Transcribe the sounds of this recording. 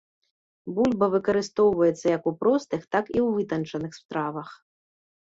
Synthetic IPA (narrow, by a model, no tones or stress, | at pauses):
bulʲbɐvɨkɐɾɨst̪ɔwvɐjɛt̪sːɐjɐkupɾɔst̪ɨxt̪akiwvɨt̪ɐnt͡ʂɐnɨxsp̪ɾavɐx